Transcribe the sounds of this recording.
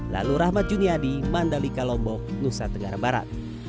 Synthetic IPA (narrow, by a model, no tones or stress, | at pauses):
la̰luɾahmat̪̚d͡ʒuniadimandalikalɔmbɔk̚nusat̪əŋaɾabaɾa̰t̪̚